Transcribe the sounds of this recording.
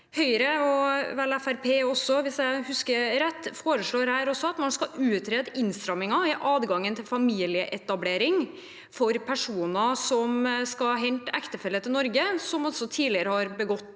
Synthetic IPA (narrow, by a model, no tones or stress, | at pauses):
hœʏɾəɔʋɛlæfæɾpʰeːɔsɔʋɪsjæɪhʉskəɾɛt̪ːfoːɾəʂɭoːɾhæːɾɔsːɔɑt̪mɑnskɑʔʉːt̪ʰɾeːd̪ɪnst̪ɾɑmːɪŋɑɪʔɑːd̪ɡɑŋːənt̪ʰɪlfɑmiːlɪəʔɛt̪ɑbleːɾɪŋ | fɔɾpʰæʂuːnɑsɔmskɑɦɛnt̪ækt̪əfɛlːət̪ɪlnɔɾɡəsɔmɔsɔt̪ʰiːlɪəɾəhɑɾbəɡɔt̪ː